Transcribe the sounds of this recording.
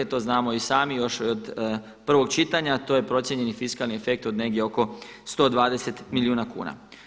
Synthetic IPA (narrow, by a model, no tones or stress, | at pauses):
et̪o̞ːznaːmo̞isaːmijo̞ʃod̪ | pr̩ʋo̞ɡ̚t͡ʃit̪aɲat̪oːje̞pɾo̞t̪sjeɲe̞nifiskalniefe̞k̚t̪od̪ne̞ɡdje̞o̞ko̞st̪o̞d̪ʋaːd̪e̞se̞t̪milʲjiuːnakṵːna̰